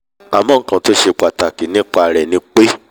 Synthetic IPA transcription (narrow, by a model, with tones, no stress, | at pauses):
a˨mɔ̃˦˨˦kã˧˦to˦ʃe˧k͡pa˨ta˨ki˨nĩ˦k͡pa˧ɾɛ˨nĩ˧˦k͡pe˦